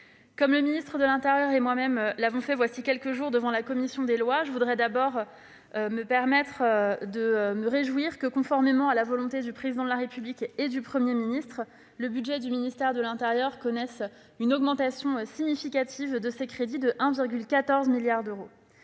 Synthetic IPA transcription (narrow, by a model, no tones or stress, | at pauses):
kɔmləminist̪χəd̪əlɛ̃t̪ɛʁjœʁemwamɛmlavɔ̃fɛvwasikʲɛlkəʒuʁd̪əvɑ̃lakɔmisjɔ̃d̪elwaʒəvud̪ʁɛd̪abɔʁ | məpɛʁmɛt̪χd̪əməʁeʒwiʁkəkɔ̃fɔʁmemɑ̃alavɔlɔ̃t̪ed̪ypχezid̪ɑ̃d̪laʁepybliked̪ypχəmjeminist̪χ | ləbydʒɛd̪yminist̪ɛʁd̪əlɛ̃t̪ɛʁjœʁkɔnɛs | ynɔɡmɑ̃t̪asjɔ̃siɲifikʲat̪ʰivd̪əsekχed̪id̪əʔɛ̃viʁɡʲylkat̪ɔʁzmiljaʁd̪øʁo